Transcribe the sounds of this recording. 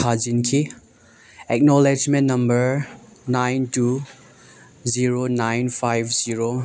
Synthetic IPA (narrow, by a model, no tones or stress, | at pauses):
ad͡ʒinkʰi | ɛk̚nɔled͡ʒmẽnnɐmbəɾ | najntu | ziɾonajnpʰajbziɾo